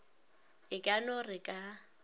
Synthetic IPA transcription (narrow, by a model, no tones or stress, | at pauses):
ɪkʼanɔrɪkʼa